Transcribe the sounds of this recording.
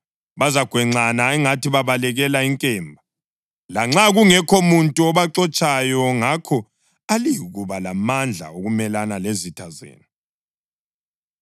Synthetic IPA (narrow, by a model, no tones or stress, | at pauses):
βazaɡ̥ʱwɛŋ͡ǀanaɛŋatiβaβalɛɣɛlaiŋkʼɛːmbʱa | laŋ͡ǁaɣuŋɛkʰomuntʼuɔβaǁɔt͡ʃʼajɔŋakʰɔ | alijɣuβalamand͡ɮʱa̰oɣumɛlanalezitʰazḛːni